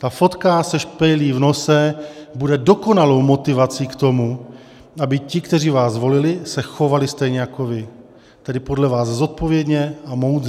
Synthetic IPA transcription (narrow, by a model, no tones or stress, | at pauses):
t̪afo̞t̪kasɛʃpɛjliːvno̞sɛbudɛdo̞ko̞nalo̞wmo̞t̪ɪvat͡siːkt̪o̞mu | ʔabɪcɪkt̪ɛriːvaːzvo̞lɪlɪsɛxo̞valɪst̪ɛjɲɛjako̞vɪ | t̪ɛdɪpo̞dlɛvaːzzo̞t̪̚po̞vjɛdɲɛamowd